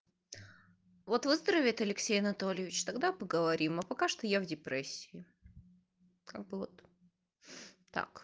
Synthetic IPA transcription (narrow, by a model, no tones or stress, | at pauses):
vo̞t̪vɨzd̪ɾəvʲɪt̪ɐlʲɪksʲejɐnɐt̪o̞lʲɪjɪvʲɪt͡ɕt̪ɐɡd̪apəɡəvɐɾʲimɐpɐkaʂt̪ojavdʲɪpɾɛsʲːɪ̥ɪ | kʰa̰ɡ̚bɨvot̪ | t̪a̰k